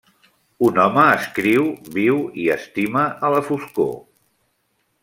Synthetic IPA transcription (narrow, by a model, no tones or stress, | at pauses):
unɔməːskɾiwβiwiəst̪iməʔələfusko̰